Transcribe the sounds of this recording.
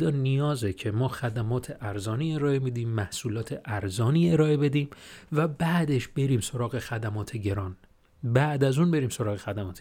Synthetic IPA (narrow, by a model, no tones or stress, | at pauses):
d̪ɒːnijɒːzecʰe̞mɒːxæd̪æmɒːt̪ʰe̞ʔæɾzɒːniːe̞ɾɒːemid̪iːmːæhsuːlɒːt̪ʰeʔæɾzɒːniːe̞ɾɒːe̞be̞d̪iːmvæbæːd̪e̞ʃbe̞ɾiːmsoɾɒːɣe̞xæd̪æmɒːt̪ʰe̞ɟe̞ɾɒːn | bæʔd̪æzuːnbe̞ɾiːmso̞ɾɒːɣexæd̪æmɒːt̪ʰe